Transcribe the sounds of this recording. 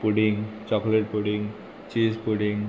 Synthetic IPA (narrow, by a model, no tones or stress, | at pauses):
puɖiŋɡt͡ɕɔkleʈ̚puɖiŋ | t͡ʃispuɖiŋ